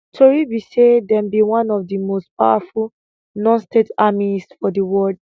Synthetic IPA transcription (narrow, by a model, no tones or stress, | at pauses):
tʰoɹibisedɛ̃mbiwãnɔvdimost̚pa̰waful | nɔ̃nstetamisfɔdəwɔld